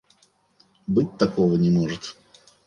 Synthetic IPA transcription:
bɨt̚ʲt̪ɐkovənʲɪmoʐɨt̪

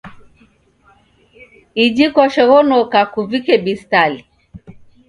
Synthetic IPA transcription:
id͡ʒikwaʃɛɣɔnɔkakuvikɛbistali

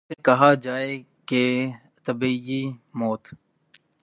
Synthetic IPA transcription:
ekəɦaːd͡ʒaːeː | ke | t̪əbiiːmoːt̪

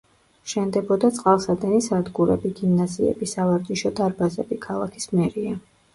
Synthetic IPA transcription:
ʃɛnd̪ɛbɔd̪at̪sʼqʼalˠsad̪ɛnisad̪ɡuɾɛ̰biɡimnaziɛ̰bisavaɾd͡ʒ̪ʼiʃɔd̪aɾbazɛbikʰalˠakʰi̥smɛɾia

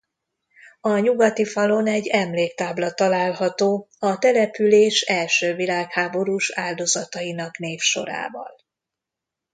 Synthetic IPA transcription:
ɒɲuɡɒt̪ifɒlo̞nɛɟːɛmleːkt̪aːblɒt̪ɒlaːlɦɒt̪oːɒt̪ɛlɛpyleːʃɛlʃøːvilaːkhaːbo̞ɾuːʃaːld̪o̞zɒt̪ɒjinɒkneːfʃo̞̰ɾa̰ːvɒ̰l

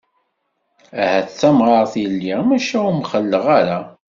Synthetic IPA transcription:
æhæθt͡sːæmʁəɾθilːimæʃæʊmχəlːəʁaɾa

